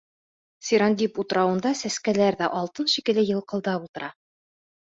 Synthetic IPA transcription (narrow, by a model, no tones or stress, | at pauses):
sʲiɾɑnd̪ʲiput̪ɤ̆ɾɑwɤ̆nd̪ɑsæskælæɾðæʔɒlˠt̪ɤnʃikɘ̆lɘjɤ̆lˠqɤ̆lˠd̪ɑbulˠt̪ɤ̆ɾɑ